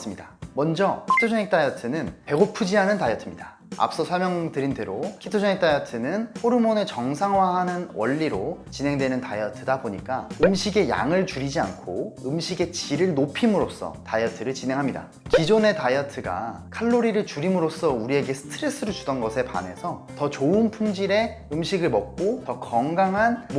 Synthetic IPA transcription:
s͈ɯmɲidamʌnd͡ʑʌkʰi̥tʰod͡ʑʰʌŋek̚t͈ajʌtʰɯnɯnpe̞ɡopʰud͡ʑiɦanɯntajʌtʰɯmɲida | a̰p̚s͈ʌsʰʌɭmjʌŋtɯɾindwe̞ɾokʰitʰod͡ʑʌŋek̚t͈ajʌtʰɯnɯnɸoɾɯmone̞t͡ɕʌŋsʰaŋwaɦanɯnwʌ̰ʎːiɾot͡ɕine̞ŋdwe̞nɯntajʌtʰɯdaboɲik͈aɯmɕʰiɡe̞ja̰ŋɯɭt͡ɕuɾid͡ʑia̰nkʰoɯmɕʰiɡe̞t͡ɕiɾɯɭnopʰimɯɾos͈ʌ̰tajʌtʰɯɾɯɭt͡ɕine̞ŋɦamɲida̰ | kid͡ʑone̞tajʌtʰɯɡa̰ | kʰaɭːoɾiɾɯɭt͡ɕuɾimɯɾos͈ʌuɾie̞ɡe̞sʰɯ̥tʰɯɾe̞s͈ɯɾut͡ɕudʌnɡʌsʰe̞pa̰ne̞sʰʌtʌt͡ɕoɯnpʰuŋd͡ʑiɾe̞ | ɯmɕʰiɡɯɭmʌk̚k͈otʌkʌŋɡaŋɦanm

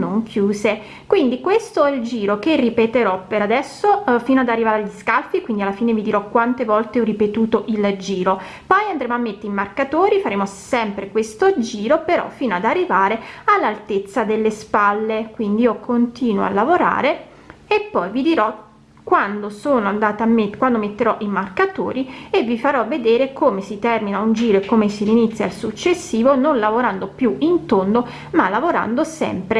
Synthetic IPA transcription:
noŋkʰjuːze | kwind̪ikwest̪oɛld͡ʒiːɾokerːipet̪eɾɔpeɾad̪ɛsːofiːnoad̪arːivaːɾeaʎiskalfikwind̪ialːafiːnevid̪iɾɔkwant̪evɔlt̪eɔrːipet̪uːt̪oʔild͡ʒiːɾo | pɔjand̪ɾeːmoamːet̪ːeimarkat̪oːɾifaɾeːmosɛmpɾekwest̪od͡ʒiːɾopeɾɔ̰fiːnoad̪arːivaːɾealːalt̪et̪sːad̪elːespalːekwind̪iiokont̪iːnwo̰a̰lːavoɾa̰ːɾe | epːɔjvid̪iɾɔ | kwand̪osoːnoand̪aːt̪amekwand̪omet̪ːeɾɔʔimarkat̪o̰ːɾievːifaɾɔvːed̪eːɾekomesit̪ɛrminaund͡ʒiːɾoekːomesiɾinit̪sːja̰lsut͡ʃːesːiːvononlavoɾand̪opjuint̪ond̪o | malːavoɾa̰nd̪osɛ̰mpɾe

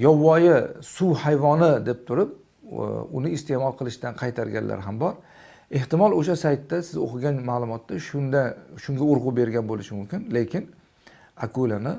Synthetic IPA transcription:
jɒwːɒjɪsʊwhajvɒnɪd̪e̞p̚t̪ʰʊɾɪp̚ | ʊ̰nɪːst̪ʰe̞mɒlˠqʰɨlˠɪʃd̪anqʰɑjt̪ʰaɾɡʲa̰nlʔa̰ɾɦambɒɾ | e̞ht̪ɪmɒlˠoʃasajt̪ːasɪzo̰qʰɨɡʲanmaːlˠʊmɒt̪ːaʃʊnd̪aʃʊŋɡʲaʊɾʁʊbe̞ɾɡʲanbolɪʃɪmʊmkʲɪnle̞kʲʰɪn | akʰolanɪ

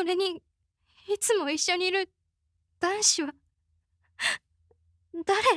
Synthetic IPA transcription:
oɾe̞ɲ̟i | it͡sɨmo̞iɕːo̞ɲ̟iːɾɯ̟ | d̪̥ãɰ̃ɕiβa | d̪̥aɾe̞

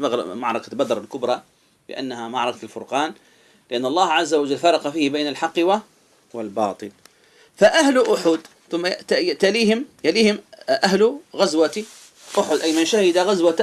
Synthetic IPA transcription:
aɣ̰maʕɾˤɑkabad̪ɾˤɑlkʊbɾˤɑ | bɪ̰ʔa̰nːahamɑʕɾˤɑkalfʊɾˤqɑːn | lɪʔanːɑlˤːɑːhʕazːawad͡ʒalfɑɾˤɑqɑfiːhbeːnalħɑqːwa | wɪlbɑ̰ːt̪ˤɨl | faʔahlʔʊħʊd̪ | θʊmːat̪aliːhɪmjaliːhɪmʔaɦlɣazwat̪ | ʔʊħʊd̪ʔajmɪnʃahɪd̪aɣazwat̪

